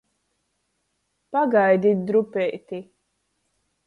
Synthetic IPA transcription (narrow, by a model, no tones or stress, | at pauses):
paɡajd̪ʲit̪̚d̪ɾupɛt̪i